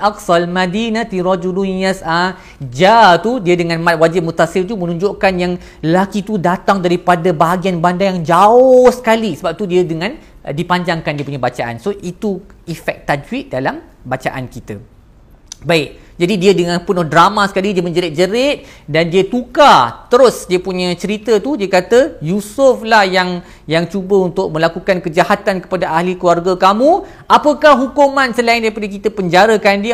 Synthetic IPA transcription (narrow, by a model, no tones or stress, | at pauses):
ʔaksaalmãdinat̪iɾɔd͡ʒudunijasa | d͡ʒat̪udiədəŋãnmãt̪̚wad͡ʒɪp̚mut̪asɪlt̪umə̃nũɲd͡ʒoʔkanjaŋ | lakit̪udat̪aŋdaɾipadabaɦaɡianbandajaŋd͡ʒaʊsə̥kalisəbap̚t̪udiədəŋãndipaɲd͡ʒaŋkandiəpuɲabat͡ʃaʔa̰nsoʔit̪u | ifɛk̚t̪ad͡ʒwit̪̚dalam | bat͡ʃaʔankit̪a | baɪk̚ | d͡ʒadidiədəŋãnpʊnɔhdɾamãsə̥kalidiəmə̃ɲd͡ʒəɾɪt̪̚d͡ʒəɾɪt̪̚dandiət̪ukat̪əɾʊsdiəpuɲə̃t͡ʃəɾit̪ət̪udiəkat̪əjusʊflahjaŋ | jaŋt͡ʃubəunt̪ʊk̚mə̃lakukankəd͡ʒahat̪ankə̥padaʔahlikluarɡakamũ | ʔapəkahɦukumãnsəlaɪndaɾipadək̬it̪əpəɲd͡ʒaɾəkandi